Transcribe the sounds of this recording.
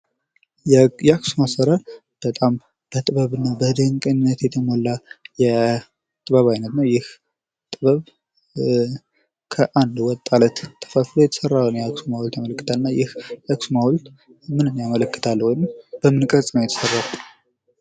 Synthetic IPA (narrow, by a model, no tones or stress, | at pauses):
jɛaksumasəɾəɾ | b̥ət̪ʼam | b̥ət̪ʼɨβəβɨnːabəd̪əŋkʼɨɲɪnːət̪jɛt̪ʰəmɔlːajɛ | t̪ʼɨβəβajnət̪nəwjɪh | t̪ʼɨβəβ | kʰəʔand̪wɔt̪ʼːalət̪t̪ʰʼːə̥fəfloɛt̪ʰə̥sərːawunəjɛaksumawlt̪jamələkːɨ̥t̪ʰalɨnːajɪhjaksumawɔlt̪ | mɨnɨnːjamələkːɨ̥t̪ʰalːwɔjnɨmb̥əmɨnkʼət͡sʼnəwjɛt̪ʰə̥sərːaw